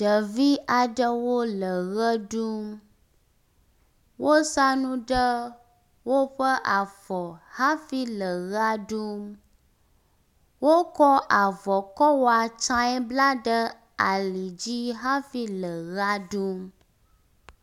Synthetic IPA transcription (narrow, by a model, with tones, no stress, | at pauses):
ɖə˨vi˦a˨ɖə˦wo˦lə˨ɣə˦ɖu˦m | wo˦sa˦nũ˦ɖə˦ | wo˦ɸə˦ʔa˨fɔ˨ha˦fi˦lə˨ɣa˦ɖu˦m | wo˦kɔ˦a˨vɔ˨kɔ˦wo˦a˨t͡ʃã˦ɛ˦bla˦ɖə˦ | a˨li˨d͡ʑi˦ɦa˦fi˦lə˨ɣa˦ɖu˦m